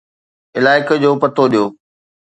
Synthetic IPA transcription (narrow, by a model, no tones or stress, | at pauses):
ɪlaːɪkd͡ʑoːpɐt̪ʰoɗijoː